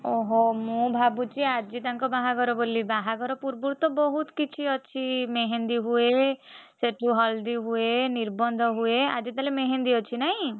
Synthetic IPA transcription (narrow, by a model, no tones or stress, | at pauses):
ɔɦɔmũbʱabut͡ʃiad͡ʒit̪aŋkɔbaɦaɡɔɾɔbolibaɦaɡɔɾɔpuɾbuɽt̪ɔbɔɦut̪kit͡ʃʰiɔt͡ʃʰimeɦend̪iɦueseʈʰuɦɔld̪iɦueniɾbɔnd̪ʱɔɦuea̰d͡ʒit̪alemeɦend̪iɔt͡ʃʰinaɦĩ